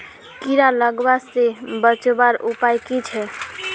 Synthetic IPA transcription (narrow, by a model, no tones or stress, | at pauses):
kiɾaləɡbasebət͡ʃbaɾupajkit͡ʃʰɛ